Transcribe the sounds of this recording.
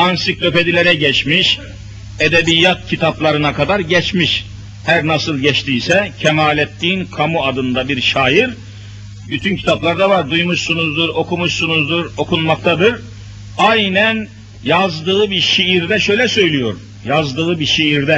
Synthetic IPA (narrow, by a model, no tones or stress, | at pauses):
ansik̚lʰʲø̞pe̞d̪ilʲeɾɛɟɛt͡ʃmiʃ | ed̪ebijːat̪̚cʰit̪ʰaplˠaɾɯnakʰad̪aɾɟɛt͡ʃmiʃ | hæɾnasɯlˠɟɛt͡ʃt̪ʰiːsɛcʰɛmaːlʲɛt̪ːiːnkʰamuad̪ɯnd̪abiɾʃaːjiɾ | byt̪ʰyncʰi̥t̪ʰaplˠaɾd̪avaɾd̪ujmuʃsunuzd̪uɾo̞kumuʃsunuzd̪uɾo̞kunmak̚t̪ʰad̪ɯɾ | ajnæn | jazd̪ɯɯbiʃiiɾd̪ɛʃø̞jlʲɛsø̞jlʲijo̞ɾ | jazd̪ɯːɯbiʃiiɾd̪ɛ